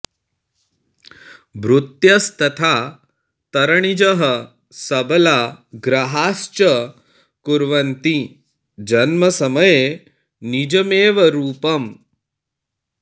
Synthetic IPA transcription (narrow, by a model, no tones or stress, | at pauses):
bɾut̪jɐst̪ɐt̪ʰaː | t̪ɐɾɐɳ̃id͡ʒɐɦɐ | sɐbɐlaːɡɾɐɦaːst͡ʃɐ | kuɾʋɐnt̪i | d͡ʒɐnmɐsɐmɐje | nid͡ʒɐmeːʋɐɾuːpɐm